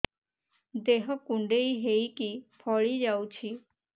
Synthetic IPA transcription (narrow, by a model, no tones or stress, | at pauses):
d̪eɦɔkuɳɖeiɦeikipʰɔɭid͡ʒaut͡ʃʰi